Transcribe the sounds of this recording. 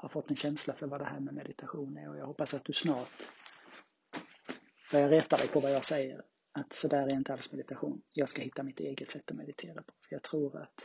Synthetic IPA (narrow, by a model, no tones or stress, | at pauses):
hɑɾfɔt̪ːɛnɕɛnslafœɾvad̪ɛhæːɾmɛmɛd̪ɪt̪ʰaɧuːnæɾɔjɑːɡhɔpːasat̪̚d̪ɵsnɑːʈ | b̥œɾjɾɛt̪ːad̪ɛjpʰɔvajɑːɡsɛjːə̰ɾ | at̪sɔd̪æːɾæɾɪnt̪əalsmɛd̪ɪt̪aɧṵːnjɑːɡskahɪt̪ːamɪt̪eːɡət̪sɛt̪ːɔmɛd̪ɪt̪ʰeːɾapʰɔ̥fœjɑːɡ̚t̪ʰɾuːɾa̰t̪